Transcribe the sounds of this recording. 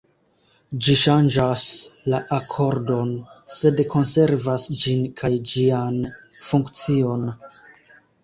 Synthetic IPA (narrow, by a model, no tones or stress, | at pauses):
d͡ʒiʃand͡ʒaslaʔakʰo̞ɾdo̞nse̞dkʰo̞nse̞ɾvasd͡ʒinkʰajd͡ʒianfuŋkt͡sio̞n